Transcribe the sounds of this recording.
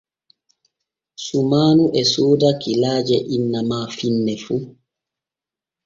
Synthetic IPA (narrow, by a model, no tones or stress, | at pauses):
sumaːnuʔɛsoːdakilaːd͡ʒɛʔinːamaːfinːɛfu